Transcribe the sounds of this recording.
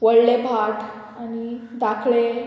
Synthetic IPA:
ʋəɭlebʱaʈ | anid̪akʰɭe

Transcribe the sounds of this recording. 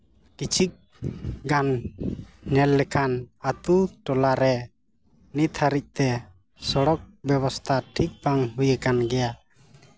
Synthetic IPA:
kit͡ʃʰik̚ | ɡan | ɲɛlːɛkʰanat̪uʈɔlaɾɛ | nit̪ʰaɾic̚ˀt̪ɛ | sɔɽɔk̚bɛβɔst̪ʰaʈʰik̚baŋɦujəkanɡɛja

